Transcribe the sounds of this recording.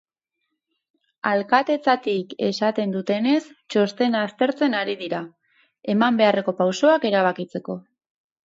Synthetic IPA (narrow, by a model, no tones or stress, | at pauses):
alkat̪e̞t͡sat̪ike̞̰sat̪e̞nd̪ut̪e̞ne̞st͡ʃo̞st̪e̞nast̪e̞ɾt͡se̞naɾiðiɾa | e̞mambe̞are̞ko̞pawso̞ake̞ɾaβ̞akit͡se̞ko̞